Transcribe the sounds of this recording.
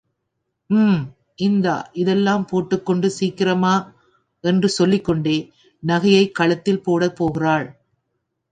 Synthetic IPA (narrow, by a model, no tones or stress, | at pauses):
mːm | ʔɪnd̪a̰ːʔɪðɛlːaːmpoːʈːɯkːɔɳɖɯsiːkːɪrɐmaː | ɛndrɯsɔlːɪkːɔɳɖeː | nɐɣɐjɐɪkːɐɭɐt̪ːɪlpoːɽɐpoːɣɪraːɭ